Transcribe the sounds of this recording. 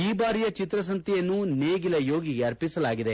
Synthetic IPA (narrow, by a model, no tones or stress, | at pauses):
iːbaːɾijɐt͡ʃit̪ɾɐs̬ɐnt̪ijɐnːuneːɡilɐjo̞ːɡiɡeɐɾpisɐlaːɡid̪e̞